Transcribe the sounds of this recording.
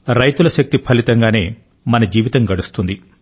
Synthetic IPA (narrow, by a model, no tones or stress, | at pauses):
ɾɐjt̪ulɐʃɐk̚t̪ipʰɐlit̪ɐŋɡaːne̞ː | mɐnɐd͡ʒiːʋit̪ɐŋɡɐɽust̪und̪i